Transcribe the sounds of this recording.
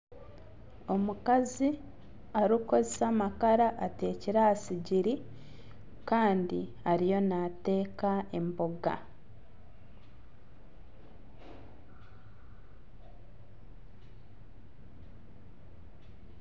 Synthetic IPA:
o̞mukazi | aɾuko̞zesamakaɾaʔːte̞ːciɾahasiɟiɾi | kaːndi | aɾijo̞nate̞ːkae̞mboɡa̰

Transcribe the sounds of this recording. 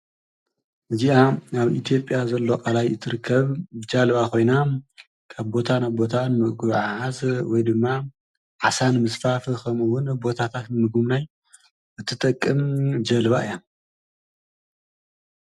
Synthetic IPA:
ʔɨziʔanaβit̪ʰijo̞pʼjazɐlːo̞kʼalajɨt̪ʰɨɾɨkʰːɐβbɨd͡ʒɐlβakʰo̞jna | kʰaβbo̞t̪ʰanabo̞t̪ʰanɨmɨʔkʼɨβʕʕazwɔjd̪ɨmːa | ʕasanmɨsfafɨkʰɐmɨwʊnbo̞t̪ʰat̪ʰat̪nɨmɨɡumnaj | ʔɨt̪ʰːɨt̪ʼɐkʼːɨmd͡ʒɐlβaɨjan

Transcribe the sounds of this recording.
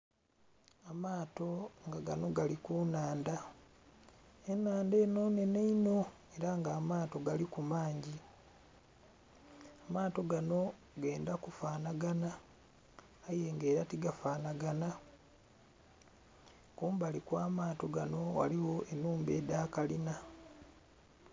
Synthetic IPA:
amaːto̞ŋɡaɡano̞ɡalikunaːnda | enːaːnde̞ːno̞ːne̞neino̞ | e̞ɾaŋɡaːmaːto̞ɡalikumaːɲɟi | amaːto̞ɡano̞ | ɡe̞ːndakufaːnaɡana | je̞ŋɡe̞ːɾatiɡafaːnaɡana | kuːmbalikwaːmaːto̞ɡano̞wa̰liwo̞enːuːmbe̞ːdaːkalina

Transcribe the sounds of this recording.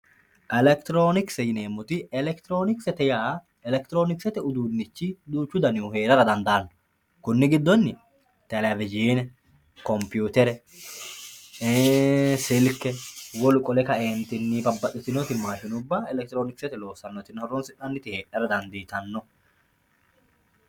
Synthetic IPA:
ʔɛlɛkt̪ɪɾoːnɪksɛjɪneːmːʊt̪ɪɛlɛkt̪ɪɾo̞ːnɪksɛt̪ɛjaː | ɛlɛkt̪ɪɾo̞ːnɪksɛt̪ɛʊd̪uːnːɪt͡ʃːɪd̪uːt͡ʃːʊd̪ɐnuhe̞ːɾɐɾɐd̪ɐnd̪ɐːnːɔ̥ | kʊnːɪɡɪd̪ːɔnːɪ | t̪ɛlɛvɪd͡ʒiːnɛ | kɔmpjuːt̪ɛɾɛ | sɪlkːɛwɔlʊkʼɔlɛkɐeːnt̪ɪnːibɐbːɐɗɪsɪnɔt̪ɪmːaːʃɪnʊbːɐɛlɛk̚t̪ɪɾo̞ːnɪksɛt̪ɛlo̞ːsːɐnːɔt̪ɪnhɔɾɔnsɪᶑɐnːɪt̪ɪheːʔɐɾɐd̪ɐnd̪iːt̪ɐnːɔ

